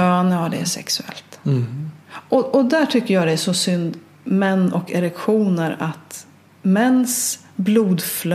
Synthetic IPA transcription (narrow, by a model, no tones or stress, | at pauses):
øːanəad̪ɛæ̰ʂɛ̰ksɵɛ̰lt̪ | ɔʔɔd̪æʈʰʏkːəɾjɑːd̪ɛæʂɔsʏnd̪ | mɛnːɔkɛɾɛkɧuːnəɾat̪ | mɛnːs | bluːd̪fl